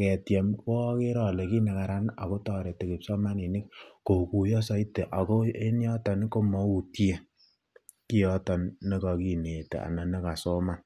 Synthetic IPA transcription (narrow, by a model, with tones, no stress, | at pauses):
kɛ˨tjɛ˨mkɔ˦ke˦ɾɔ˨le˨ki˦ne˨ka˨ɾa˦na˨ko˦tɔ˦˨ɾe˨te˨ki˨psɔ˦ma˦ni˨ni˦kko˨ku˨jɔ˦sɔ˦i˦te˨ʔa˨ko˦e˦njɔ˦tɔ˨ni˦ko˦mɔ˨u˨tje˦ | ki˦ɔ˦tɔ˨nːe˦kɔ˨ki˦˨ne˨tḛ˨a̰˨nɛ˨ne˦ka˨so˦ma˦˨n